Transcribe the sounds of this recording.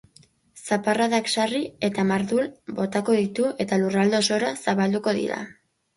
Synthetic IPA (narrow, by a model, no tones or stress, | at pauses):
saparaðaksarie̞t̪amaɾðulbo̞t̪ako̞ðit̪ue̞t̪alurald̪o̞so̞ɾasaβald̪uko̞ðḭɾa̰